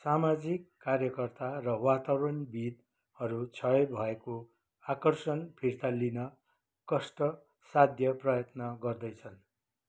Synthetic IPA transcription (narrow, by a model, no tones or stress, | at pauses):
samad͡zikːarjʌkʌrt̪arʌwat̪awɾʌnbid̪ | hʌɾut͡sʰʌebʱʌeko | akʌrsʌnpʰirt̪alinʌ | kʌsʈʌ | sad̪ʱjʌprʌjʌt̪nʌɡʌrd̪ʌjt͡sʰʌn